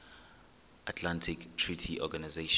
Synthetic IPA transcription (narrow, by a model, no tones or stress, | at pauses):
ʔatʰlãntʰiktʰɹitʰiʔɔɡanazeʃ